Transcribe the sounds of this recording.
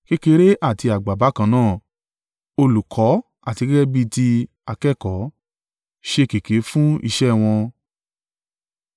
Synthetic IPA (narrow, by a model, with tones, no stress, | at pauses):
ke˦ke˧˦ɾe˦ʔa˦˨ti˧a˨ɡ͡ba˨ba˨˦kã˨˦nãː˦˨ | o˧lu˨kʰɔ˨˦ | a˦˨ti˧ɡe˦ɡɛ˦bi˧ti˧ | a˨kɛ˦˨kɔ˨˦ | ʃe˧ke˨ke˨˦fũ˦ḭ˧ʃɛ˦˨w̃ɔ̃˧